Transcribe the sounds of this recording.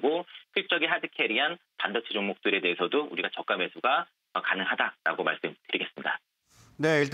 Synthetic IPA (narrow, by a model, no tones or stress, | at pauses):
ɡopiɭt͡ɕ͈ʌɡiɦadɯkʰeɾiɦanpandʌt͡ɕʰid͡ʑoŋmok̚t͈ɯɾe̞de̞esʰʌdouɾiɡat͡ɕʌk͈amwe̞sʰuɡa | ʌkanɯŋɦadaɾa̰ɡoma̰ɭs͈ɯmtɯɾiɡe̞s͈ɯmɲida | ne̞iɭt